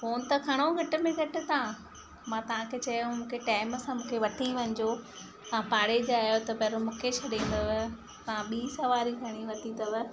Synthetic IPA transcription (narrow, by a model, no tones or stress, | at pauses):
foːnt̪ɐkʰɐɽ̃oɡʱɐʈɪ̆mẽɡʱɐʈɪ̆t̪ɐã | mãːt̪ɐʋ̤ãkʰet͡ɕɐj̃mũːkʰeʈaːɪmsãmũːkʰeʋɐt̪ʰiʋɐ̃ɲɪd͡ʑo | t̪ɐʋãpaːɽed͡ʑaːjot̪ɐpɐːɾomũːkʰet͡ɕʰɐɗĩːnd̪əʋ | t̪ɐʋ̤ãɓiːsɐʋaːɾiɡʱɐɽ̃iʋɐt̪ʰit̪ɐʋə